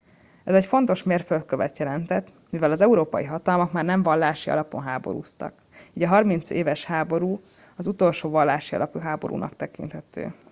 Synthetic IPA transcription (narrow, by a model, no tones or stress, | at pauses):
ɛzɛcfo̞nt̪o̞ʃmeːrfølt̪̚køvɛt̪jɛlɛnt̪ɛt̪ː | mivɛlɒzɛuɾoːpɒ̰jiɦɒt̪ɒlmɒkmaːrnɛɱvɒlːaːʃiɒ̰lɒpo̞nɦaːbo̞̰ɾṵːst̪ɒ̰k | iːɟɒɦɒrmint̪seːvɛʃhaːbo̞ɾuː | ɒzut̪o̞lʃoːvɒlːaːʃiɒ̰lɒpyɦaːbo̞̰ɾṵːnɒ̰kt̪ɛkḭnt̪hɛt̪ø̰ː